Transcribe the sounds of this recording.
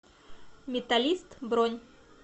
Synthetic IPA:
mʲɪt̪alʲist̪bɾonʲ

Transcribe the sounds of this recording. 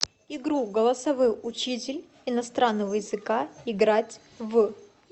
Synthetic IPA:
ɪɡɾuɡəlˠɐsɐvɨʊt͡ɕitʲɪlʲ | ɪnɐst̪ɾanːəvəjɪzɨkaɪɡɾatʲ | v

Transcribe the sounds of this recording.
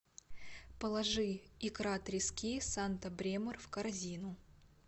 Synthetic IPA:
pəlˠɐʐɨɪkɾat̪ɾʲɪskʲisant̪əbɾʲemərfkɐrzʲinʊ

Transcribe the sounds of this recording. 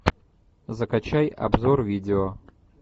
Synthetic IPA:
zəkat͡ɕajɐ̰bzorvʲidʲɪo

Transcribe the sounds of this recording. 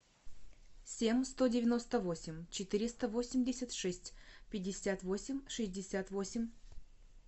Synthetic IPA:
sʲemʲst̪o̞dʲɪvʲɪno̞st̪əvo̞sʲɪmʲt͡ɕɪt̪ɨɾʲɪst̪əvo̞sʲɪmʲdʲɪsʲət̪ʂɛsʲtʲpʲɪdʲːɪsʲat̪vo̞sʲɪmʲʂɨzʲdʲɪsʲat̪vo̞sʲɪmʲ

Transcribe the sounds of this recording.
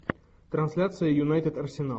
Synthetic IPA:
t̪ɾɐnsʲlʲat̪sɨjəjʊnajt̪ʲɪd̪ɐrsʲɪna

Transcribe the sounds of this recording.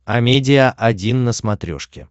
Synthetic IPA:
ɐmʲedʲɪjəʔɐdʲinːəsmɐt̪ɾʲo̰ʂkʲɪ̰

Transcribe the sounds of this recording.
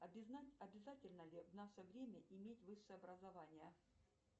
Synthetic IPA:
ɐbʲɪzatʲɪlʲnəlʲɪvnaʂəvɾʲemʲəʔɪmʲetʲvɨʂːɨjəɐbɾəzɐvanʲɪjə

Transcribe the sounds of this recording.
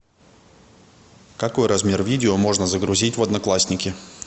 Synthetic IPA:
kɐko̞jɾɐzmʲe̞rvʲidʲɪomo̞ʐnəzəɡɾʊzʲitʲvɐd̪nɐklˠasʲnʲɪkʲɪ

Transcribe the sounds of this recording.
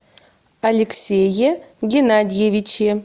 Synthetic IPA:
ɐlʲɪksʲejeɡʲɪnadʲɪjevʲit͡ɕe

